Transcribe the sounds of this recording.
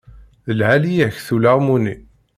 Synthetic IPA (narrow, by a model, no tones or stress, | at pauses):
ðəlʕælijiçθulaʁmuni